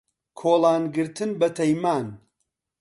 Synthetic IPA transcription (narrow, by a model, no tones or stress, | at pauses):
kʰoːlˠaːnɡɨɾt̪ʰɨnbɐt̪ʰɐjmaːn